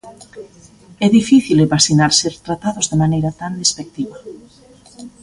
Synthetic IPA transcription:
ɛðifiθileβasinaɾseɾt̪ɾat̪aðʊzðɪmanejɾat̪and̪espek̚t̪iβɐ

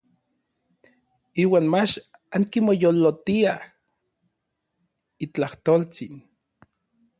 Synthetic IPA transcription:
iːwaːnmat͡ʃ | aŋkimojolːot̪ia | it͡ɬaht̪oːlt͡sin

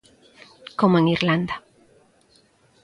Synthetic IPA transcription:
komoeŋiɾland̪a

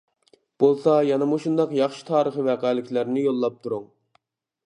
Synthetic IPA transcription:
b̥olˠsɑjɑnɛmuʃund̪ɑqjɑχʃi̥t̪ʰɑːɾəχəvɛqæːlɪkʲʰlæɾnɪjolˠːɑp̚t̪ʰuɾuŋ

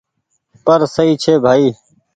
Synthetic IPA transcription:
pəɾsəiːt͡ʃʰeːbʱaːiː

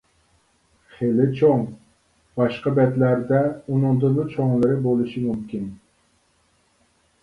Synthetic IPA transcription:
χelɪt͡ʃʰoŋ | b̥ɑʃqɑbɛt̪læɾd̪ɛunɨŋd̪ɨʊt͡ʃʰoŋlˠɨɾɪbolˠɨʃimumkʲin

